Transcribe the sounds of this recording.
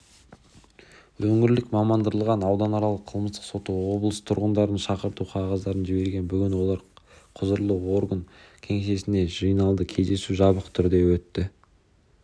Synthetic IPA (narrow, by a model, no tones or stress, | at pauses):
wɵŋɪɾlɪkmɑmɑnd̪əɾəlˠʁɑnɑwd̪ɑnɑɾɑlˠəqʰəlˠməst̪ə̥qso̞t̪əwo̞blˠəst̪ʰʊ̰ɾʁənd̪ɑɾənʃɑqəɾt̪uqʰɑʁɑzd̪ɑɾənʒɪbe̞ɾɡʲenbʏɡʲɪnwo̞lˠɑɾqʰʊzəɾlˠəwo̞ɾɡəŋkʲʰe̞ŋeʃe̞sɪne̞ʒijnɑlˠd̪əkʲʰe̞jzd̪e̞suʒɑbəqt̪ʰʏɾd̪e̞wɵt̪ːɪ